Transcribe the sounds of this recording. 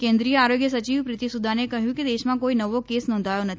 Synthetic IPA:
kẽnd̪ɾijəaɾoɡjəsət͡ʃiʋpɾɪt̪isud̪ʱanekəɦjũked̪eʃmãkoinəʋokesnɔ̃nd̪ʱajonət̪ʰ

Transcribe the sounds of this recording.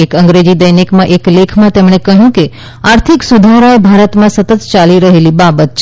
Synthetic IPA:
ekəŋɡɾed͡ʒid̪əjnikmãʔeklekʰmãt̪emɳ̃ekəɦjũke | aɾt̪ʰiksud̪ʱaɾaebʱaɾət̪mãsət̪ət̪t͡ʃaliɾəɦelibabət̪̚t͡ʃʰ

